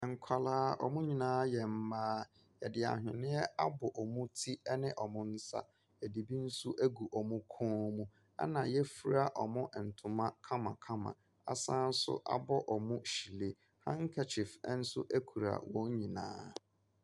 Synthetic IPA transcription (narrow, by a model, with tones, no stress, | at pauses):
ɛ˨ŋ̩˨kʷʰa˨laː˦ɔ̰˨mʊ̃˦ɲĩ˨nãː˦jɛ˨m̩˦mãː˦ | jɛ˨dɪ˨a̰˨ɦᶣɪ̰̃˨nɪ̃˦ɛ˦a˦bʊ˨ʔɔ˨mũ˦tʰi˦ɛ˦nɪ̃˦ʔɔ˨mʊ̃˦n̩˦sa̰˦˨ | æ˨di˨bi˦n̩˦sʊ˦ʔæ˦ɡu˨ʔɔ˨mũ˦kʰɔ̃ː˦mũ˦ | a̰˦nã˨jɛ˦fi˦ɾa˦˨ʔɔ˨mʊ̃˦ʔn̩˨tʰʊ̃˨mã˦kʰã˦mã̰˨kʰa˦mã̰˨ | a̰˨sã˦n̩˦sʊ̰˦ʔa̰˨bɔ˦ʔɔ˨mũ˦ɕi˨le˦ | hã̰˦ŋ̩˦kʰɛ˦t͡ɕʰɪ˨fn̩˦sʊ̰˦ʔæ˦kʰu˨ɾa̰˨wɔ̃˨˦ɲ˦ɲĩ˨nã̰ː˦